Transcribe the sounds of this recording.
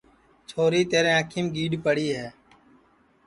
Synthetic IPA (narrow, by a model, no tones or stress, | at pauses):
t͡ʃʰoːɾiːt̪eːɾẽːəkʰiːmɡiːɖpəɽiːɦɛː